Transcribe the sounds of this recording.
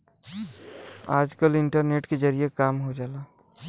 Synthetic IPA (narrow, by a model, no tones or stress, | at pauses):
a̰ːd͡ʒkəlɪɳʈəɾneːʈkezəɾijekaːmɦod͡ʒaːlaː